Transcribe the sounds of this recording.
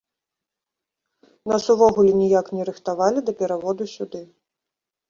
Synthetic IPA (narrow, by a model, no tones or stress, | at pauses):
nasuvɔɣulʲɛnʲijaknʲɛɾɨxt̪avalʲid̪ɐpʲɛɾavɔd̪usʲud̪ɨ